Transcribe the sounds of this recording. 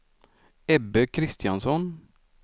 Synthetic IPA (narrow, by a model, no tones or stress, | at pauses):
ɛbəkʰɾɪst̪ɪjɑnsɔn